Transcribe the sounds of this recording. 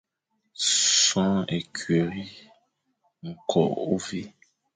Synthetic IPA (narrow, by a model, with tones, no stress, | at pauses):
sã˦ɛ˨kʰɥɛ˨ɾi˦ | ŋ̩˨kʰɔ̰˨ʔo˦vi˦